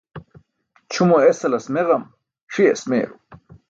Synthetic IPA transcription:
t͡ɕʰumoesɐlɐsmeʁɐm | ʂiesmḛːɾu

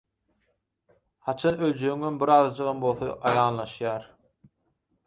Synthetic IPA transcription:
hɑt͡ʃʰɑnølʲd͡ʒøyŋembiɾɑːðɑd͡ʒɯʁɑmbo̞lˠθɑʔɑjɑːnlˠɑʃjɑːɾ

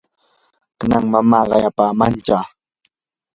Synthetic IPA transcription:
kanaŋmamaːɢɑjapaːmant͡ʃaː

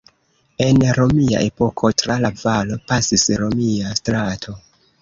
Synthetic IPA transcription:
e̞nɾo̞mia̰ʔe̞po̞kʰo̞tɾalavalo̞pasisɾo̞miastɾatʰo̞

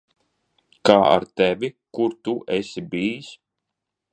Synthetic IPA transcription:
kaːa̰ɾt̪ɛvʲikuɾt̪uʔɛsibiːs

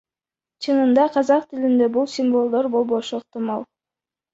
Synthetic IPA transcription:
t͡ʃʰɯnɯnd̪ɑqʰɑzɑqt̪ɪlind̪e̞bulˠsʲimvo̞lˠd̪o̞ɾbo̞lˠbo̞ʃuːq̚t̪ɨmɑlˠ

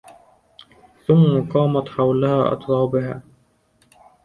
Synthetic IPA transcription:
θʊmːaqɑːmat̪ħawlahaːʔɑ̰t̪ˤɾˤɑːbɪɦa̰ː

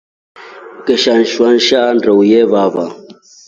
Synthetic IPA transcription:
kəʃanʃwanʃandəwjevaba

